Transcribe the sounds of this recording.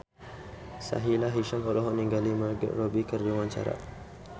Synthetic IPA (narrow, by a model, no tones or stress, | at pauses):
sa̰ɦilaɦiʃampɔlɔɦɔniŋɡaliməɡ̰robikərd͡ʒuwaɲt͡ʃa̰ɾa̰